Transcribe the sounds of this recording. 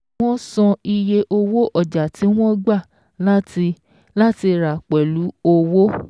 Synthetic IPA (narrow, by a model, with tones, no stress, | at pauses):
wɔ̃˦sɔ̃˧i˧je˧ʔo˧wo˦ʔɔ˦˨d͡ʒa˨ti˨˦w̃ɔ̃˦ɡ͡ba˦˨ | la˦i˧ | la˦ti˧ɾa˨k͡pɛ˨lu˨˦o˧wo˦